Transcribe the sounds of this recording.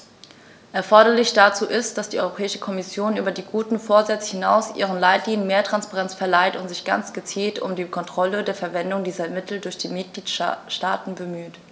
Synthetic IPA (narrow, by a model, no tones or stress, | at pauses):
ʔɛɐfɔɐɾɐlɪçd̥at͡suːʔɪstd̥asd̥iːʔɔʏʁopʰɛːɪʃə̥kʰɔmɪsjoːnʔyːbɐdiːɡuːtn̩foːɐzɛt͡shɪnaʊsʔḭːʁ̞ənlaɪtliːnənmeːɐtʁ̥anspaʁɛnt͡sfɛɐlaɪtʊntz̥ɪçɡ̥a̰nt͡sɡ̥ət͡siːltʊ̰mdiːkʰɔntʁ̥ɔlədeːɐfɛɐvɛndʊŋdiːzɐmɪtʰl̩dʊɐçd̥iːmɪt̚ɡ̥liːtʃtaːtn̩bəmyːt